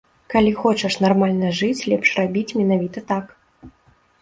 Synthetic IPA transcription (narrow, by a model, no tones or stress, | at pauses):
kalʲixɔt͡ʂɛʂn̪armalʲnɐʐɨt͡sʲlʲɛpʂrabʲit͡sʲmʲɛnavʲit̪ɐt̪ak